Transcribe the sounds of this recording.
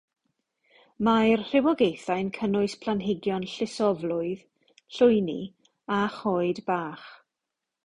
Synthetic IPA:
majrr̥ɪwɔɡejθajnkʰənʊɨspʰlanɦɪɡjɔnɬɪsɔvlʊɨð̥ | ɬʊjnḭ | aχɔɨdbaːχ

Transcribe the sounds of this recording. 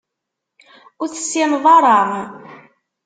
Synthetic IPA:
ʊɾθə̥sːɪnðˤɑɾˤɑʁ

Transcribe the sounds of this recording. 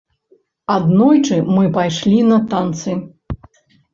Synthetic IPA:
ad̪nɔjt͡ʂɨmɨpajʂlʲinɐt̪ant̪sɨ

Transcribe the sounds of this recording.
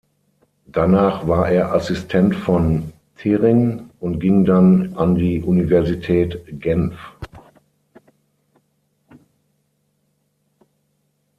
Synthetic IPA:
d̥anaːχv̥aːɐʔeːɐʔasɪstʰɛntfɔn | tʰeːʁɪŋʊntɡ̥ɪŋdanʔandiːʔunivɛɐzitʰɛːtɡ̥ɛnf

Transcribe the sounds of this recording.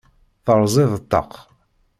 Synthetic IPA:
θəɾˤzˤɪðət̪ːə̰q

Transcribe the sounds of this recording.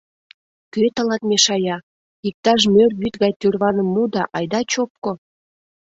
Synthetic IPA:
køt̪ə̆lɑt̪meʃɑjɑ | ik̚t̪ɑʃ̬mørβyt̪ɣɑjt̪yrβɑnəmːud̪ɑʔɑjd̪ɑt͡ɕop̚ko

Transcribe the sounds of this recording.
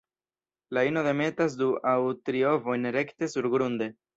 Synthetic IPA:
laino̞ðe̞me̞tas̬duawtɾio̞vo̞jnɾe̞kte̞suɾɡɾunde̞

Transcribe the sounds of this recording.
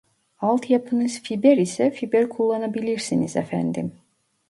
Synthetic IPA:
ɑlˠt̪ʰjɑpʰɯnɯz̥fibeɾisɛfibeɾkʰulˠːanabilʲiɾsinizɛ̰fæ̰nd̪ḭm

